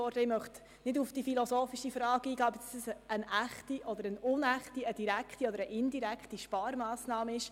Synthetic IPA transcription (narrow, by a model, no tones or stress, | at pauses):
ɔɾdəɪmœχt | nɪdufd̥ifilosoːfiʃifɾɑːɡəiːɡɑːœbəd̥ɑsəsənæχtiʔɔd̪əɾənʊnæχtiəd̥iɾækχtiɔd̪əɾəʔɪndiɾækχtiʃpɑːɾmɑːsnɑːməɪʃ